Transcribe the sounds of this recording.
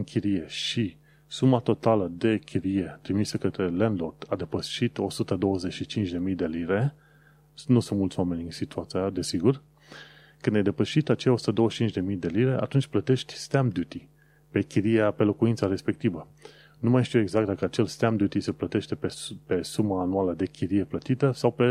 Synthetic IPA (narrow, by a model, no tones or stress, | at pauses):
ɨŋkʰʲiɾije̞ʃi | sumat̪o̞t̪aləd̪e̞kʲʰiɾije̞t̪ɾimisəkət̪ɾe̞lenlort̪ʰad̪e̞pəʃit̪o̞sut̪əd̪o̞wəze̞t͡ʃʃit͡ʃint͡ʃd̪e̞mijd̪e̞liɾe̞ | nusunt̪mult̪soame̞nʲɨnsit̪uat̪siad̪e̞siɡur | kɨnd̪jejd̪e̞pəʃit̪at͡ʃejaosu̥t̪əd̪o̞wəʃt͡ʃint͡ʃʲd̪emijd̪e̞liɾe̞ʔa̰t̪unt͡ʃʲplət̪e̞ʃt̪ʲst̪amd̪jut̪i | pe̞kʲiɾijape̞lo̞kuint̪saɾe̞spe̞k̚t̪ivə | numajʃt̪ieeɡzakt̪d̪akəat͡ʃe̞lst̪amd̪ʲjut̪ise̞plət̪e̞ʃt̪e̞pepe̞sumaːnualəd̪e̞kʰʲiɾije̞plət̪it̪əsawpe